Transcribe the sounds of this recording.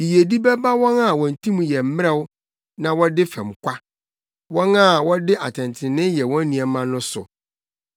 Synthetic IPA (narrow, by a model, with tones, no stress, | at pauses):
i˨je˨di˦bɛ˦ba˦wɔ̃˦na˨wɔ̃˨n̩˨tʰĩ˦mũ˨jɛ˨m̩˦mɪ˦ɛ˦wʊ˦ | nã˨wɔ˦dɪ˦fɛ̃˨m˨kʷʰa˦ | wɔ̃˦na˦˨wɔ˦dɪ˦ʔa˨tʰɪ̃˨ntʰɪ̃˨nɪ̃˦jɛ˨wɔ̃˦nĩ˨ɛ˨mã˦nʊ̃˦sʊ̰˨